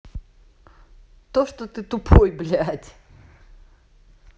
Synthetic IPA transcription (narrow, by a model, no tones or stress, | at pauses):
t̪oʂt̪ot̪ɨt̪ʊpʰojblʲætʲ